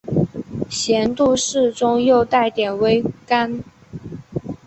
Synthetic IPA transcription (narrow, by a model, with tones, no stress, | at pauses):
ɕjɛ˧˥nt̪u˥˧ʂɻ̩˥˩ʈ͡ʂʊ˥ŋjo˥˧ʊt̪a˥˩ɪt̪jɛ˨˩nwe˥ɪka˥n